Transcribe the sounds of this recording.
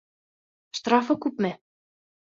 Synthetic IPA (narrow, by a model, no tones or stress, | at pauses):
ʃt̪rɑfɤ̆kupmɘ̆